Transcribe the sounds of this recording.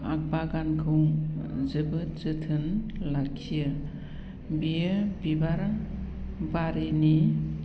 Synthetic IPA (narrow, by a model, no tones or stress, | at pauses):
ak̚baɡankʰɯwzɯbɯt͡ʃɯtʰɯnlakʰːijɯ | bijɯbibaɾ | baɾeni